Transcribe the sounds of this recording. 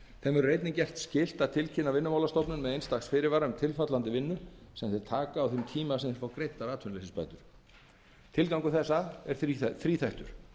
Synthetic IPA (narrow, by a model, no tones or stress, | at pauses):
θɛmvɛɾrejt̪nɪcɛr̥t̪scɪl̥t̪aðt̪ʰɪlcʰɪnavɪnːʏmawlast̪ɔpnʏnmɛðejnst̪axsfɪːɾɪɾvaːɾaʏmt̪ʰɪlfat̪lant̪ɪvɪnːʏsɛmθejɾ̥t̪ʰaːkaːwθʏmt̪ʰiːmasɛmθɛɾfawkɾejt̪ːaɾaːt̪ʰʏnlesɪspa̰jt̪ʏɾ̥ | t̪ʰɪlkawŋkʏθɛsːaɛɾ̥θθɾiːθajht̪ʏ̰ɾ̥